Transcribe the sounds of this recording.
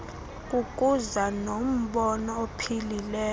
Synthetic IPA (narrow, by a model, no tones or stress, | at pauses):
kʼuk̬ʼuzanom̩ɓɔnɔopʰililɛː